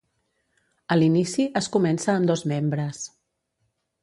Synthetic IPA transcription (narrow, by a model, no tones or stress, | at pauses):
əlinisiəskumɛnsəːmd̪ɔzmembɾəs